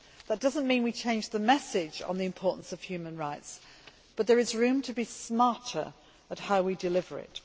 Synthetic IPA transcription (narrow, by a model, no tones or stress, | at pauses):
ðət̚d̥ʌzə̃nmĩnwit͡ʃʰẽɪ̃nd͡ʒðəmɛsɪd͡ʒn̩ðiɨ̃mpʰɔɹʔn̩səv̥hjʉːmə̃nɹaɪts | b̥ʌt̪̚ðə˞ɨzɹʉ̃mtʰəbismɑˑtʰə̰˞ | əthaʊwidɨlɪvə̰˞ɪ̰t